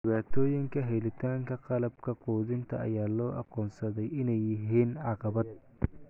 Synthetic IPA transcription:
d̪ɪβaːt̪ʰɔːjɪŋkʰɐɦɛjlɪt̪ʰaːŋkʰɐqɑlɐbkʰɐquːðɪnt̪ʰɐ̰ʔɐ̰jaːlɔːʔɑ̰qɔːnsɐðɛjɪnɛjːɪɦiːnʕɑqɑβɐd̪̚

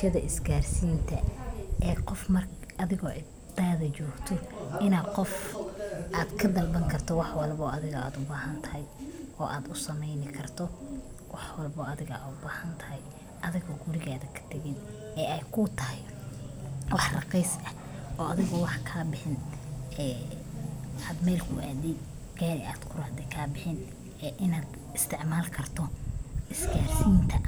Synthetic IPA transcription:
ʃɐðɐʔɪsɡaːrsiːnt̪ʰɐʔɛːqɔfmɐr | ɐðɪɣɔʔɪ | d̪aːðɐt͡ʃɔːɡt̪ʰɔɪnaːd̪qɔf | ʔaːd̪kʰɐd̪ɐlbɐŋkʰɐrt̪ʰɔwɑħwɑlbɔːɐðɪɣɐa̰ːd̪ʊbaːɦɐnt̪ʰɐhɛjʔɔːʔaːd̪ʊsɐmɛjnɪkʰɐrt̪ʰɔ | wɑħwɑlbɔːɐðɪɣɐ̰d̪ʊbaːhɐnt̪ʰɐ̥ɦɛj | ʔɐðɪɣɔɡʊɾɪɣaːðɐkʰɐ̥t̪ʰɐɣɪn | ɛːɛjkʰʊt̪ʰɐhɛ | wɑħrɑqɛjsɐhʔɔːʔɐðɪɣɔwɑħkʰaːbɪħɪnɛː | ɐd̪mɛːlkʰʊʔa̰ːd̪ɛ | kʰɛːnɛ̰a̰ːd̪kʰʊɾɐhd̪ɛkʰaːbɪħɪn | ɛʔɪnaːd̪ | ɪst̪ʰɪʕmaːlkʰɐrt̪ʰɔʔɪsɡaːrsiːnt̪ʰɐ

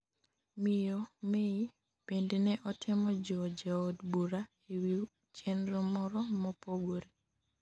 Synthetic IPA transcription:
mɪjɔmei | pendenɛʔɔtʰɪmɔd͡ʒɔd͡ʒaodbuɾa | ewi | t͡ʃenɾʊmɔɾɔmɔpoɡoɾe

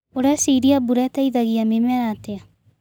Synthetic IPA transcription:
oɾesiɾiabuɾɛtaiðaɣiamemɛɾatea

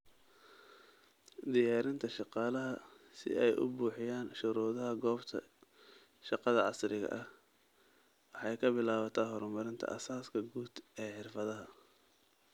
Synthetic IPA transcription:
d̪ɪjaːɾɪnt̪ʰɐʃɑqɑːlɐɦɐsɪ̰ʔɛjʔʊ̰buːħɪjaːnʃʊɾɔːðɐɦɐɡɔːbt̪ʰɐ̰ | ʃɑqɑðɐʕɑsrɪɣɐ̰ʔɐh | wɑħɑjkʰɐbɪlaːβɐt̪ʰaːɦɔrmɐɾɪnt̪ʰɐ̰ʔɐsaːskʰɐɡuːd̪ɛːħɪrfɐðɐɦɐ

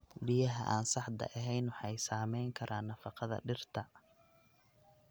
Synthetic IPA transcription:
bijɐɦɐ̰ʔaːnsɑħd̪ɐ̰ʔɐɦɛjnwʊħɑjsaːmɛjŋkʰɐɾʔaːnːɐfɑqɑðɐ̰ɖɪrt̪ʰɐ

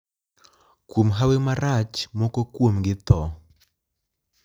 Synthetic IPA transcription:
kwomɦawemaɾat͡ʃmɔkokwomɡɪt̪ɔ

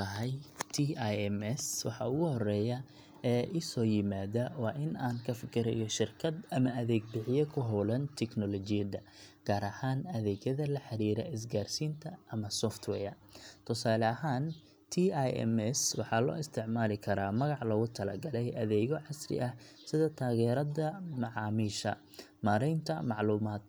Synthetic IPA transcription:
tʰɐɦɛjt̪ʰijɛmɛswɑħɑʊɣʊhɔrɛːjɐ | ɛːʔɪsɔːjɪmaːðɐwɑːʔɪnaːŋkʰɐfɪkʰɪɾɛ̰jɔʃɪrkʰɐd̪ɐmɐʔɐðɛːɡ̚bɪʕɪjɛkʰʊɦɔwlɐnt̪ʰɛknɔlɔt͡ʃɪjɐd̪ɐ | ɡ̥aːɾɐhaːnɐðɛːɣjɐðɐlɐħɑɾiːɾɐ̰ʔɪs̬ɡaːrsiːnt̪ʰɐʔɐmɐsɔft̪ʰwɛ̰ːjɐ | t̪ʰʊsaːlɐɦaːn | t̪ʰiːajɛ̰mɛswɑħɑlɔ̰ːɪst̪ʰɪʕmaːlɪkʰɐɾaːmɐɣɑʕlɐɣʊt̪ʰɐlɐ̰ɡɐlɛjʔɐðɛːɣɔʕɑsrɪ̰ʔɐh | sɪðɐt̪ʰaːɣɛːɾɐðɐmɑʕɑːmiːʃɐ̰ | maːɾɛjnt̪ʰɐmɑʕluːmaːd̪̥

